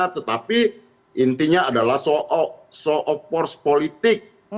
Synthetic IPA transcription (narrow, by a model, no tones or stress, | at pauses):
at̪ət̪api | ʔint̪iɲaːdalahsɔʔɔsɔʔɔpɔrspolit̪ɪk̚